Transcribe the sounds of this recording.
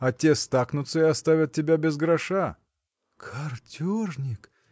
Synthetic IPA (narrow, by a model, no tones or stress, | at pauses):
ɐtʲest̪aknʊt̪səɪɐst̪avʲət̪̚ʲtʲːɪbʲabʲɪzɡɾɐʂa | kʰɐrtʲornʲɪk